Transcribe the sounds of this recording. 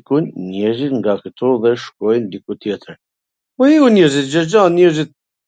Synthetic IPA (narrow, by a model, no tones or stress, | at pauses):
kunːɛzit̪ŋɡakət̪ɔðɛʃkɔjnd̪ikut̪jɛt̪əɾ | ɔiunɛɾzit̪̚d͡ʑəd͡ʑanɲɛɾzit̪̚